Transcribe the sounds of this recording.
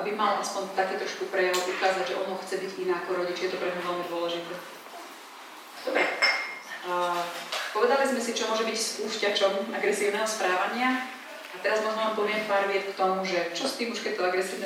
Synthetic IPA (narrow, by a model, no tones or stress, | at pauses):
ʔabimalʔaspɔnt̪akɛːt̪ɾɔʃkupɾɛjaʊʔukaːzaɟʒɛʔɔnɔxt͡sɛbiɟinaːakɔɾɔɟit͡ʃjɛt̪ɔpɾɛɲmuʋɛlmid̪ʊɔlɛʒit̪ɛː | d̪ɔbɾɛ | pɔʋɛd̪alizmɛsit͡ʃɔmʊɔʒɛbicspuːscat͡ʃɔmaɡɾɛsiːʊnɛɦɔspɾaːʋaɲɪa | at̪ɛɾazmɔzmampɔʋɪɛmpaːɾʋɪɛt͡skt̪ɔmuʒɛt͡ʃɔst̪iːmuʃkɛc̚t̪ɔaɡɾɛsiːʊnɛ